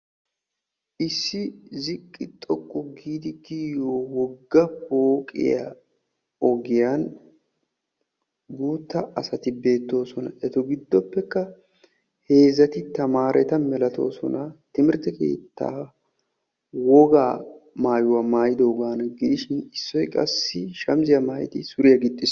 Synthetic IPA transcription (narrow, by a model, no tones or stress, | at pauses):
ʔɪsːɪzɪkʼːɪt̪ʼɔkʼːɔɡiːd̪ɪɡiːjoːwɔɡːɐboːkʼɪ̰ja | ɔɡɪjaːn | ɡuːt̪ːɐɐsɐt̪ɪbe̞ːt̪ːo̞ːsɔnɐ̰ʔɛt̪ɔɡɪd̪ːɔpːɛkːɐ | he̞ːzɐt̪ɪt̪ɐmaːɾʔɛt̪ɐmɛlɐt̪o̞̰ːsɔ̰nɐt̪ɪmɪɾt̪ɛke̞̰ːt̪ːa̰ː | wɔɡaː | maːjʊwɐmaːjɪd̪o̞ːɡaːnɐɡɪd̪ɪʃɪnɪsːɔjkʼɐsːɪʃɐmzɪjɐmaːj̰t̪ɪsʊɾɪjɐɡɪt̪ʼːɪs